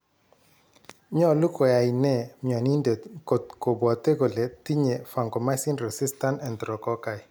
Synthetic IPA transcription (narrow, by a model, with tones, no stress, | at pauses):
ɲɔ˦˨lu˦kɔ˨ja˨i˨nɛ˦˨mja˨ni˦nde˨ko˨t̪ko˨bwa˨t̪e˦ɡo˨le˨t̪i˦ɲe˨fa˨ŋɡɔ˨ma˦si˦nɾɛ˨si˦sta˦nɛ˨ndɾɔ˨kɔ˦ka˨i˨